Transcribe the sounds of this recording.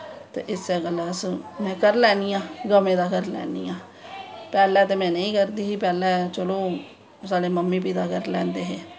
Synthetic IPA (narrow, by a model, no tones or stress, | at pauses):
t̪ḛːʔɪseːɡəlasmɛ̃ːkəɾlɛːniːjãːɡəmẽːd̪aːkəɾlɛ̰ːnijãː | pɛːlɛːt̪eːmɛ̃ːnəĩːkəɾd̪iːipɛːlɛːt͡ʃəloː | saːɽeːməmːiːp̬iːd̪aːkəɾlɛ̃ːnd̪eːɦeː